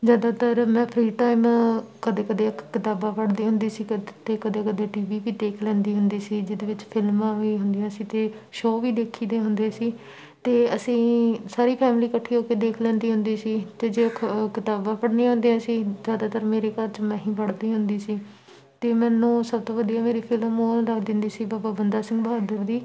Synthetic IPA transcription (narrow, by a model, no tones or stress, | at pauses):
zjaːd̪aːt̪əɾmɛ̃ːpʰɾiːʈaːɪmkəd̪eːkəd̪ekɪt̪aːbãːpəɽd̪iːɦʊ̃nd̪iːsiːt̪eːkəd̪eːkəd̪eːʈiːʋiːʋiːd̪eːkʰlɛ̃ːnd̪iːɦʊnd̪iːsiːd͡ʒɪd̪eːʋɪt͡ʃpʰɪlmãːʋiːɦʊnd̪ɪjãːsiːt̪eː | ʃoːʋiːd̪eːkʰiːd̪eːɦʊnd̪eːsiː | t̪eːəsĩːsaːɾiːpʰɛːmliːkəʈʰːiːɦoːkeːd̪eːkʰlɛ̃ːnd̪iːɦʊnd̪iːsiːt̪eːd͡ʒeːokɪt̪aːbãːpəɽniːãːɦʊ̃nd̪eːɦãːsiːzjaːd̪aːt̪əɾmeːɾeːkəɾt͡ʃmɛ̃ːɦĩːpəɽd̪iːɦʊnd̪iːsiː | t̪eːmɛ̃ːnũːsəb̚t̪õːʋəd̪ijaːmeːɾiːpʰɪlmoːɾəkʰd̪ɪnd̪iːsiːbaːbaːbənd̪aːsɪ̃ŋɡbəɦaːd̪əɾd̪iː